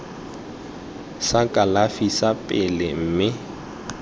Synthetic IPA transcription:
sakʼalafisapʼɪlɪm̩ːmɪ

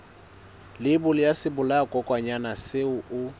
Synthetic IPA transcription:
lɪbʊlɪjasɪbʊlakʼɔkʼwaɲanasɪʊʔʊ

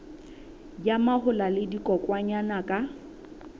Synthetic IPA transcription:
jamahʊlalɪdikʼɔkʼwaɲanakʼa

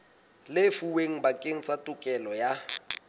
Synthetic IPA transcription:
lefuweŋ̩bakʼeŋ̩satʼʊkʼɛlɔja

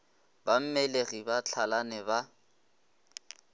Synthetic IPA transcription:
bam̩mɛleɣibat͡ɬʰalanɛba

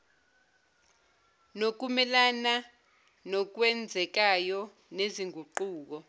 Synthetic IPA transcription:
nok̬umɛlana | nɔk̬wɛnd͡zʱɛk̬ajɔ | neziŋʱuǃuːk̬ɔ

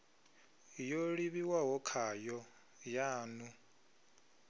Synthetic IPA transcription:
joɺiβiwaɦɔkʰajɔ | jaːnu

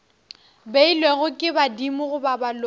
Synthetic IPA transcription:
beilweɣʊkʼɪbadimʊɣʊbabal

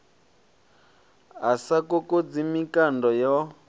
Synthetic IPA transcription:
ɦasakokod͡zimikandɔjɔ

